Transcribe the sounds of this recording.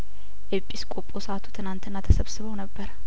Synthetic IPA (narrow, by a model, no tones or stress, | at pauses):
ʔepʼːiskʼopʼosəat̪ʰu̥t̪ʰɨnant̪ʰɨnːat̪ʰəsəβsɨβəwnəbːəɾ